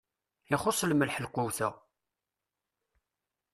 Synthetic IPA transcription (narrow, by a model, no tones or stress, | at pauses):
ɪχosˤːlməlħəlqʊwθæ